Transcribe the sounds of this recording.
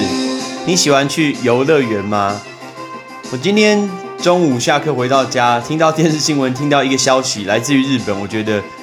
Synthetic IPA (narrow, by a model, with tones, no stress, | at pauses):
ni˨˦ɕi˨˩xwa˦nt͡ɕʰy˥˨jo˧˦ʊlə˥˨ɥɛ˧˦nma˦ | wɔ˨˩t͡ɕi˥˦nt̪ʰjɛ˦˥n | ʈ͡ʂo˥˦ŋu˨˩ɕja˥˧kʰə˥i˨xwe˧˥ɪt̪ɑ˥˩ʊt͡ɕja˦t̪ʰi˦ŋt̪ɑ˥˧ʊt̪jɛ˥˧nʂɻ̩˥˩ɕi˧˥ŋwə˨˦nt̪ʰi˦˥ŋt̪ɑ˥˩ʊi˧˥ɡə˨ɕjɑ˦ʊɕi˨˦la˧˦ɪt͡sɹ̩˥˩˨y˧˦ɻɻ̩˥˩pə˨˩˦nwɔ˨˩t͡ɕɥɛ˧˦d̪ə˧